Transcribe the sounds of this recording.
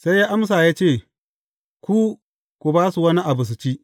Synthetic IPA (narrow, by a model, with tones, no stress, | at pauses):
sa˦jːaː˦ʔa˦ms̬aː˨jaː˦t͡ʃeː˦˨ | kʷu˦ | kʷu˨baː˦su˨wɐ˦ni˦ʔa˨bʊ˨s̬u˨t͡ʃiː˦ʔ